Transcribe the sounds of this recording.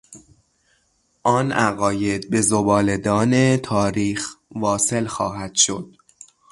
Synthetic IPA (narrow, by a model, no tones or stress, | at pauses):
ʔɒːnæɣɒːje̞d̪̚be̞zobɒːle̞d̪ɒːne̞t̪ʰɒːɾiːxvɒːse̞lxɒ̰ːɦæd̪̥ʃo̞̰d̪̥̚